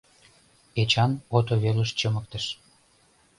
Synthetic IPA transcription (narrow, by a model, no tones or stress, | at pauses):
et͡ɕɑnot̪oβeləʃt͡ɕəmək̚t̪əʃ